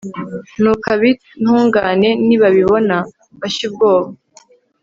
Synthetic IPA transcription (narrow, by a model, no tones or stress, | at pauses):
nukaβi | n̥huːŋɡaːne̞niβaβiβo̞na | βaʃib̚ɡoːβa